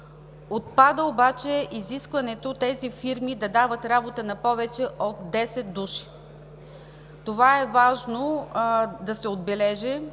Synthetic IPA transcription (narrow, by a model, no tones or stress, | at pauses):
ot̪̚pad̪əobat͡ʃɛʔiziskvɐnɛt̪ot̪ɛzifiɾmid̪ɐd̪avət̪ɾabot̪ənɐpɔvɛt͡ʃɛʔot̪d̪ɛsɛt̪̚d̪uʃi̥ | t̪ovaɛvaʒno | d̪ɐsɛod̪̚bɛlɛʒɛ